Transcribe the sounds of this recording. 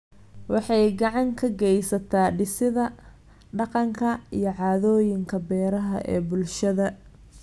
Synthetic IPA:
wɑħɑjɡɑʕɑŋkʰɐɡɛjsɐt̪ʰaːɖɪsɪðɐ | ɖɑqɑŋkʰɐijɞʕɑːðɔːjɪŋkʰɐbɛːɾɐɦɐʔɛ̰ːbʊlʃɐðɐ

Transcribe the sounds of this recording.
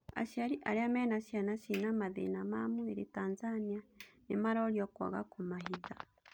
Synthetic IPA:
a̰ʃiaɾiʔa̰ɾiameːnasianasinamaðḛnamamueɾitaːnzanianimaɾoɾjoka̰ɣa̰kumaɦiza

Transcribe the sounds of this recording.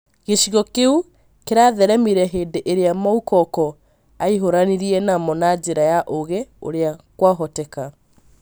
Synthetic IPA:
ɣeɕiɣɔkeu | keɾaðɛɾɛmiɾɛɦeːdeʔeɾeamaukɔkɔ | aiɦoɾaniɾiɛnamɔnad͡ʑeɾajaʔoɣeo̰ɾeakwaɦɔtɛka

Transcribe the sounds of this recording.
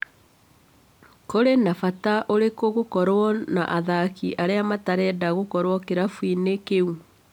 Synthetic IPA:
koɾenafataʔoɾekoɣokɔɾwɔna̰ʔaðakiʔaɾeamataɾɛdaɣokɔɾwɔkeɾafwinekeu

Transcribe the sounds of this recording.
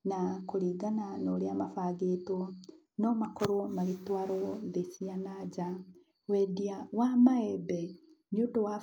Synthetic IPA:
nakoɾiːɡananoɾeamafaːɡeːto | nɔmakɔɾomaɣetwaɾoðesianad͡ʒa | wɛdiawamaɛbɛ | niodowa

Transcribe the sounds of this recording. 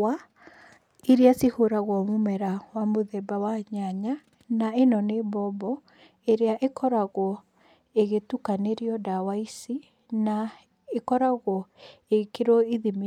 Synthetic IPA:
a | iɾiasihoɾaɣwɔmomɛɾawamoðɛbawaɲaɲa | naenɔnebɔbɔ | eɾeaʔekʰɔɾaɣwɔ | eɣetukaneɾiɔdawaisi | na | ekɔɾaɣwɔ | ekeɾɔiðimi

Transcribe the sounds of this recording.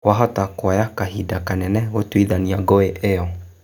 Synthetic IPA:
waɦɔtakwajakaɦidakanɛnɛwotwiðaniaɡoeʔejɔ

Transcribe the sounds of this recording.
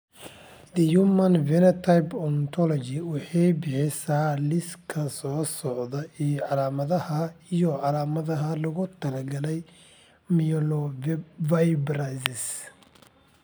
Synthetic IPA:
d̪ɛjumɐnvɛnɛt̪ʰajbɔnt̪ʰɔlɔt͡ʃɪwɑħɑjbɪħɪsaːlɪskʰɐsɔːsɔʕðɐijɔʕɑlaːmɐðɐhɐijɔʕɑlaːmɐðɐɦɐlɐɣʊt̪ʰɐlɐɡɐlɛj | mijɔlɔvajbrasɪs

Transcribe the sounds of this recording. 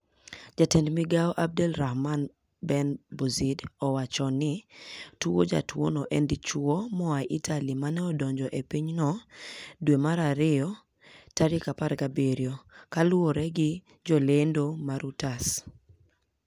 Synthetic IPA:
d͡ʒatendmiɡaɔʔab̚dɛlɾahman | bɛnbozidɔwat͡ʃɔnɪtuo̰d͡ʒa̰two̰nɔʔɛndit͡ʃuomɔaʔitʰalimanɛɔdɔɲd͡ʒɔʔepiɲnɔ | dwemaɾaɾɪɔ | taɾikapaɾɡabeɾjokalwoɾɛɡɪ | d͡ʒɔlendomaɾutas

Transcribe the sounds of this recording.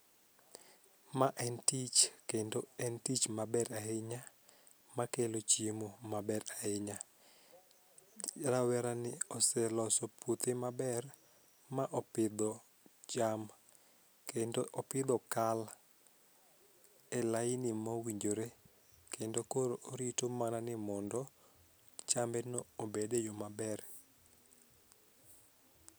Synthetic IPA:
maʔɛntit͡ʃkendoɛntit͡ʃmabɛɾaeɲa | makelot͡ʃemomabɛɾaeɲa | ɾawɛɾanɪɔsɛlɔsɔpʰut̪emabɛr | maʔɔpɪd̪ɔ | t͡ʃam | kendoʔɔpɪd̪ɔkal | ɛlaɪnɪmawiɲd͡ʒoɾe | kendokoɾoɾitomananɪmɔndɔ | t͡ʃambɛnoːbedejomabɛr

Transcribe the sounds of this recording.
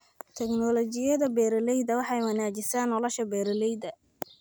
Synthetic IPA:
t̪ʰɛknɔlɔt͡ʃɪjɐðɐbɛːɾɔlɛjd̪ɐwɑħɑjwɑnaːt͡ʃɪsaːnːɔlɔʃɐbɛːɾɔlɛjd̪ɐ

